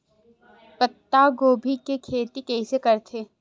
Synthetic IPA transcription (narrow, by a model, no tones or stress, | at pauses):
pɐt̪ːaɡoːbʱikekʰeːt̪ikɛɦisekɐɾt̪ʰeː